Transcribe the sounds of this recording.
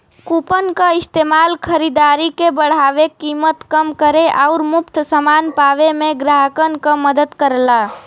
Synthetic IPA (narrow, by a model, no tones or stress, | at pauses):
kupənkəɪst̪emalkʰəɾid̪aɾikebəɽ̤aʋekːimət̪kəmkəɾeʔaʊɾmupt̪ʰsəmanpaʋemeɡɾaɦəkənkə̃məd̪əd̪kəɾla